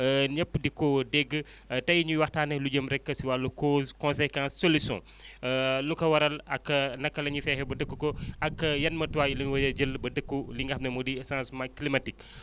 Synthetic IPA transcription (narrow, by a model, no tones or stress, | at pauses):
əɲəpːdikɔdɛɡːə | tɐjɲuwɐxtaːnɛhluɟəmɾɛkːɐsiwalːɐkozkɔ̃nsekãnsːolisɔ̰̃ | lukɐwɐɾɐlɐkːɐnɐkːɐlɐɲifɛːhɛbɐdəkːukɔɐkːɐjɐnmɐtuwaːjilɐwɐjɐɟəlːbɐdəkːuliŋɡɐxnɐmudisãːsmɐklimɐtik